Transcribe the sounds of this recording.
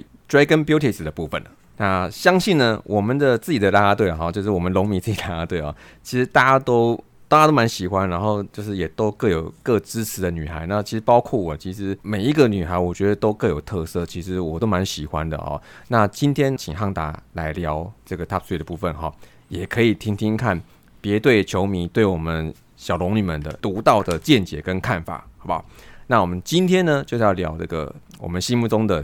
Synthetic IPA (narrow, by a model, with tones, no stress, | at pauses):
ʈ͡ʂwa˥ɪkə˥npjo˥ʊt̪ʰi˨s̩˨˩d̪ə˩pu˥˩fə̰˨˩n˩ | na˥˩ɕjɑ˥ŋɕi˥˩nnə˨wʔɔ˨˩mə˨˦nd̪ə˨t͡sɹ̩˥˩t͡ɕi˨˩d̪ə˦la˦˥a˥t̪we˥˩ɪla˨˩xɔ˥˧t͡ɕjo˥˧ʊʂ̬ɻ̩˥˩wɔ˨˩mə˦nlo˧˥ŋmi˨˩t͡sɹ̩˥˩t͡ɕi˨˩la˥a˥t̪we˥˩ɪɔ̰˨˩t͡ɕʰi˧˥ʂɻ̩˧˥t̪a˥˧t͡ɕa˥t̪o˥ʊ | t̪a˥˩t͡ɕa˥o˥ma˧˦nɕi˨˩xwa˦nɻa˧˥nxo˥˧ʊt͡ɕjo˥˧ʊʂɻ̩˥˩jɛ˨˩t̪o˥ʊkə˥˩ŋjo˨˩ʊkɤ˥˩ʈ͡ʂɻ̩˥t͡sʰɻ̩˧˦˥d̪ə˧ny˨˩xa˧˥ɪna˥˩t͡ɕʰi˧˥ʂɻ̩˧˥pɑ˥ʊkʰwɔ˥˩wɔ˨˩t͡ɕʰi˧˥ʂɻ̩˧˥me˨˩ɪi˧˥ɡə˨ny˨˩xa˧˥ɪwɔ˨˩t͡ɕɥɛ˧˥d̪ə˧t̪o˥ʊkə˥˩ŋjo˨˩ʊt̪ʰɤ˥˧sɤ˥˩t͡ɕʰi˧˥ʂɻ̩˧˥wɔ̰˨˩t̪o˥ʊma˧˦nɕi˨˩xwa̰˦nd̪ə̰˨xɔ̰˨˩na˥˨t͡ɕi˦nt̪ʰjɛ˥nt͡ɕʰi˨˩ŋxɑ˥˩ŋt̪a̰˧˥la˧˥ɪljɑ˧˥ʊʈ͡ʂɤ˥˩ɡə˩t̪ʰa˥˧sʰu˥i˥˩d̪ə˩pu˥˩fə˨nxɔ̰˨˩ | jɛ˨˩kʰɤ˧˥i˨˩t̪ʰi˥ŋt̪ʰi˥ŋkʰa˥˩n | pjɛ˧˥t̪we˥˩ɪt͡ɕʰjo˧˥ʊmi˧˥nt̪we˥˩ɪwɔ˨˩mə˦n | ɕjɑ˨˩ʊlʊ˧˥ŋny˨˩mə˨˩nd̪ə̰˨t̪u˧˥t̪ɑ˥˩ʊd̪ə˩t͡ɕjɛ˥˨nt͡ɕjɛ˨˩kə˦nkʰa˥˩nfa̰˨˩xɑ˧˥ba̰˨˩na˥˩wɔ˨˩mə˦nt͡ɕi˦nt̪ʰjɛ˥nnə˨t͡ɕjo˥˧ʊjɑ˥˩ʊljɑ˧˥ʊʈ͡ʂɤ̰˥˩ɡə̰˩wɔ̰˨˩mə˦nɕi˥nmu˥˩ʈ͡ʂʊ˥ŋd̪ə˨